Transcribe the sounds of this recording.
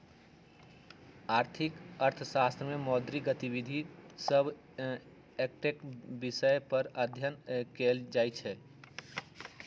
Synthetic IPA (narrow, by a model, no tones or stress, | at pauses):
aːɾt̪ʰikəɾt̪ʰəsast̪ɾəmemɔːd̪ɾiɡət̪ibid̪ʱisəbʱ | ek̚ʈekbisəjpəɾəd̪ʱjənkeld͡ʒaːjt͡ʃʰɛ